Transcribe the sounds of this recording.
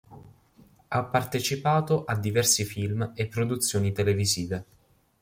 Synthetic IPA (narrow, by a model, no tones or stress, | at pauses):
apːart̪et͡ʃipaːt̪oʔad̪ːivɛrsifilmepːɾod̪ut̪sːjoːnit̪eleviziːve